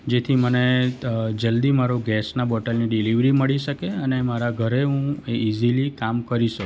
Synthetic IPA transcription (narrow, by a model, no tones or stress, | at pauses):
d͡ʒet̪ʰiməne | d͡ʒəld̪imaɾoɡɛsnabɔʈəlniɖiliʋɾiməɭiʃəkeənemaɾaɡʱəɾeɦũeizilikamkəɾiʃək